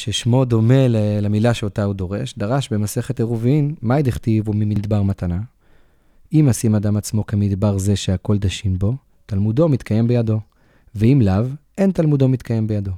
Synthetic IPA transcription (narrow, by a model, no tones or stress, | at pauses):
ʃeʃmo̞d̪o̞me̞lelemilaʃeotaudo̞ʁe̞̰ʃd̪aʁaʃbe̞mase̞χeteʁuvimːaid̪iχtivumimidbaʁmatana | imasimadamat͡smo̞kemid̪baʁze̞ʃeako̞ld̪aʃimbo̞ | talmudo̞mit̪kaje̞mbe̞jado̞ | veimlavʔentalmudo̞mit̪kʰaje̞mbejado̞